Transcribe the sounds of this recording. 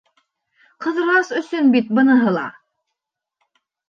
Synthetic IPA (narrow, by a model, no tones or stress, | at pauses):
qɤ̆ðɤ̆ɾɑsɵ̆sɵnbit̪̚bɤ̆nɤ̆ɦɤlˠɑ̰